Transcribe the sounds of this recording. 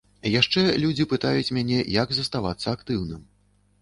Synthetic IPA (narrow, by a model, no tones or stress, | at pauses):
jaʂt͡ʂɛlʲud͡zʲipɨt̪ajut͡sʲmʲanʲɛjaɡzɐst̪ava̰t̪sːɐːkt̪ɨwnɨm